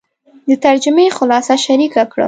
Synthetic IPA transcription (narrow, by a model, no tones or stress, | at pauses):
d̪ət̪aɾd͡ʒʊmexʊlɑsaʃaɾikakɽə̰